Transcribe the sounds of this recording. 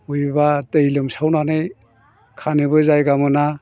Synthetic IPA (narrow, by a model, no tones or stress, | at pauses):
ujbatɯjlɯmsawnanɯj | kʰanɯbɯzajɡamɯna